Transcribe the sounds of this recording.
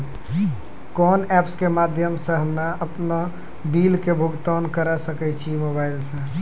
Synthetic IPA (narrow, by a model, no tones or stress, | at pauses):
kɔnɛpskemad̪ʱjəmsə̃ɦəmnaəpna | bilkebʱuɡt̪ɔnkəɾɛsəkɛt͡ʃʰimobailsə̃